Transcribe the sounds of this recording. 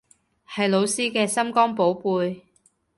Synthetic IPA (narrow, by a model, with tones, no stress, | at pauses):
hɐ˨jlo˨˧wsiː˥kɛː˧sɐ˥mkɔː˥ŋpo˨˥wpuː˨˧j